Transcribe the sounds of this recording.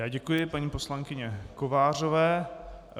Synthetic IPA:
jaːɟɛkujɪpaɲiːpo̞slaŋkɪɲɛkovaːrovɛː

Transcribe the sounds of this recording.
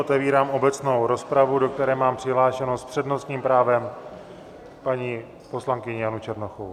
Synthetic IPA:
ot̪ɛviːɾaːmo̞bɛt͡sno̞wɾo̞spɾavudo̞k̚t̪ɛɾɛːmaːmpr̥ɪɦlaːʃɛnospr̝̥ɛdno̞st̪ɲiːmpɾaːvɛm | paɲi | po̞slaŋkɪɲɛjanut͡ʃɛɾnoxow

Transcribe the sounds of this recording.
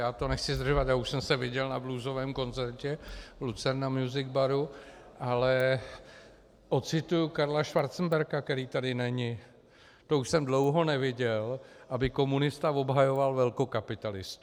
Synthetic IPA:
jaːt̪o̞nɛxt͡sɪzd̪r̩ʒovat̪jaːuʃsɛmsɛvɪɟɛlnabluːzo̞vɛːmko̞nt͡sɛɾcɛvlut͡sɛɾnamjuzɪɡ̚baɾu | ʔalɛ | ʔo̞t̪t͡sɪt̪ujukaɾlaʃvaɾt̪t͡sn̩bɛɾkakt̪ɛɾiːt̪adɪnɛɲɪ | t̪o̞uʃsɛmdlo̞wɦo̞nɛvɪɟɛlʔabɪko̞munɪst̪avo̞bɦajo̞valvɛlko̞kapɪt̪alɪst̪u

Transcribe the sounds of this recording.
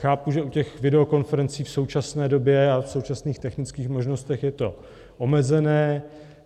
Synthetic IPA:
xaːpuʒɛucɛxvɪdɛo̞ko̞nfɛɾɛnt͡siːfso̞wt͡ʃasnɛːdo̞bjɛafso̞wt͡ʃasniːxt̪ɛxnɪt͡skiːxmo̞ʒno̞st̪ɛxjɛt̪o̞ | ʔo̞mɛzɛnɛː

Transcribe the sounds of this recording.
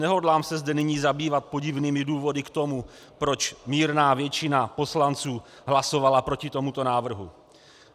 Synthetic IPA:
nɛɦo̞dlaːmsɛzdɛnɪɲiːzabiːvat̪̚po̞ɟɪvniːmɪduːvo̞dɪkt̪o̞mu | pɾo̞t͡ʃmiːɾnaːvjɛt͡ʃɪnapo̞slant͡suː | ɦlaso̞valapɾo̞cɪt̪o̞mut̪o̞naːvr̩ɦu

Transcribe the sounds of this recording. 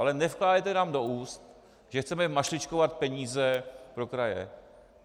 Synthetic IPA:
alɛnɛfklaːdaɛt̪ɛnaːmdouːst̪ | ʒɛxt͡sɛmɛmaʃlɪt͡ʃkovat̪̚pɛɲiːzɛpɾo̞kɾajɛ̰

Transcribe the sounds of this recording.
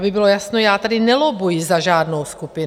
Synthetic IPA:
bɪbɪlojasnojaːt̪adɪnɛlobujizaʒaːdnowskupɪ

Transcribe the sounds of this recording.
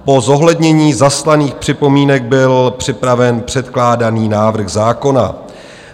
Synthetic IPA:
po̞zo̞ɦlɛdɲɛɲiːzaslaniːxpr̥ɪpo̞miːnɛɡ̚bɪlpr̝̥ɪpɾavɛnpr̝̥ɛt̪klaːdaniːnaːvr̩ɣzaːko̞na̰

